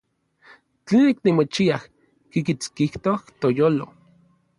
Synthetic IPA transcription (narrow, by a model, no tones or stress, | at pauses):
t͡ɬeːniknimot͡ʃiah | kikit͡skiht̪oht̪ojoːlo